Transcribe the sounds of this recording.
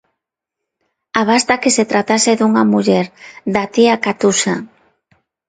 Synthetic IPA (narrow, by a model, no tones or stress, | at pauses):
aβast̪akeset̪ɾat̪aseðuŋamuʎɛɾd̪at̪iakat̪usa